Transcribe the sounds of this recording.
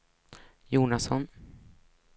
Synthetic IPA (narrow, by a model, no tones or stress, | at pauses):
juːnasɔn